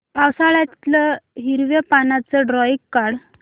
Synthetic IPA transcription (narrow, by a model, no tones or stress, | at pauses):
awsaɭat̪ləɦiɾʋepanat͡səɖɾɔikːaɽ